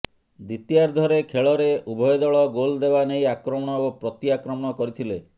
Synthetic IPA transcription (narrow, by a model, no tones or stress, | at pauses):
d̪it̪ijaɾd̪ʱɔɾekʰeɭɔɾeubʱɔjɔd̪ɔɭɔɡold̪ebanejakɾɔmɔɽ̃ɔopɾɔt̪iakɾɔmɔɽ̃ɔkɔɾit̪ʰile